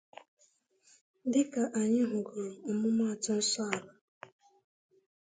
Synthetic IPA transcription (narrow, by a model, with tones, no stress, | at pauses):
dɪ˦ka˨ʔa˨ɲɪ˦ɦʊ˨ɡʊ˨ɾʊ˨ʊ˨mʊ˦m˦a˨tʊ˦n̩˦sɔ˦a˨la˨